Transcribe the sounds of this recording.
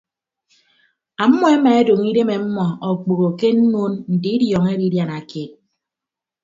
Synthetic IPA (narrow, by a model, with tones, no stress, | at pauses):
a˨m̩˦mɔ˦e˦ma˨e˦do˨ŋi˦de˦me˨m̩˦mɔ˨ɔ˨k͡po˨ɣo˨ke˦n̩˦no˦nn̩˨di˨˦i˦djɔː˨ŋe˦ɾi˦dja˨na˨ke˦˨t̚